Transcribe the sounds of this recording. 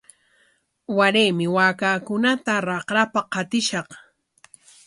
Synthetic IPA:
waɾejmɪwaːkaːkʊnat̪aɾɑqɾapaqɑt̪ɪʃɑq

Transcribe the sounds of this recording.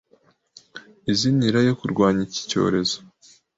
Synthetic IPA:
iziniɾajo̞kuɾɡwaːɲici̥co̞̰ːɾe̞zo̥

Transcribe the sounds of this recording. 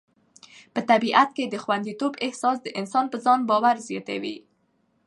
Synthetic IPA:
pət̪abiʔat̪ked̪əxwand̪it̪obɪhsɑsd̪əʔɪnsɑnpəzɑnbɑwaɾzjɑt̪a̰wḭ

